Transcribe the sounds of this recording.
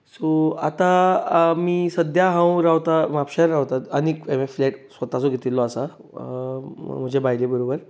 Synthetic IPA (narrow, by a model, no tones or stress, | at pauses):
soat̪amiːsəd̪jaɦãwɾawt̪amapɕaɾːawt̪aənikemefleʈsʋət̪at͡soɡʱet̪ilːɔasa | m̤əd͡ʑebajlebəɾobəɾ